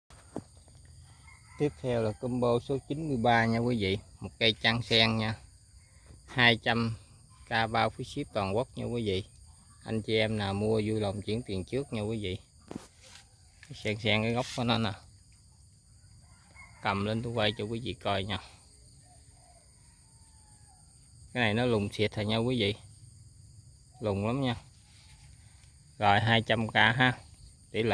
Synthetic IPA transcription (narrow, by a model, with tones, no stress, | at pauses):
t̪i˦˥əp̚t̪ʰɛ˧wlaː˨˩kə˧mɓo˧so˨˦t͡ɕi˨˦nmɨ˧əjɓaː˧ɲaː˧kwi˨˦vḭ˧˨mo˨˩t̚kaː˨˦jt͡ɕa˧ŋsɛ˧ŋɲaː˧ | haː˧jt͡ɕa˧m | kaː˧ɓaː˧fi˨˦si˦˥əp̚t̪waː˨˩nkwk̚ɲa̰˧kwi˨˦vḭ˧˨ | ʔa˧jŋt͡ɕi˨ʔɛ˧mnaː˨˩mu˧əzu˧lə˨˩wŋ͡mt͡ɕi˨˦əŋt̪i˨˩ŋt͡ɕɨ˦˥ək̚ɲa˧kwi˨˦vḭ˧˨ | ka˨˦jsɛ˧ŋsɛ˧ŋkaː˨˦jɣə˦˥wk͡p̚ɔ˨˦nɔ˨˦naː˨˩ | t̪ə˨˩mle˧nt̪ʰu˧wə˧jt͡ɕɔ˧kwi˨˦vḭ˧˨kɔ˧jɲaː˧ | kaː˨˦jna˨˩jnɔ˨˦lʊ˨˩ŋ͡mt̪ʰi˨˩ət̚laː˨˩ɲa˧kwi˨˦vḭ˧˨ | lʊ˨˩ŋ͡mla˨˦mɲaː˧ | ɣɔ̰˧˨jɦaː˧jt͡ɕa˧mkaː˧ɦaː˧ | t̪i˧˦l